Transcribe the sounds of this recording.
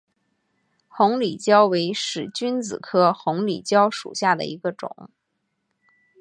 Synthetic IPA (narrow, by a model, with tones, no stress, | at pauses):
xʊ˧˥ŋli˨˩t͡ɕjɑ˥ʊwe˧˥ɪʂɻ̩˨˩t͡ɕy˥nt͡sɹ̩˨˩kʰɤ˥xʊ˧˥ŋlḭ˨˩t͡ɕjɑ˥ʊʂṵ˨˩ɕja˥˩d̪ə̰˩i˧˥ɡə˧ʈ͡ʂʊ̰˨˩˦ŋ